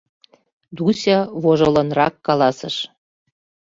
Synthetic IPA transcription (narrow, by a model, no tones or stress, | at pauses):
d̪usʲɑβoʒolɤnrɑkːɑlɑsəʃ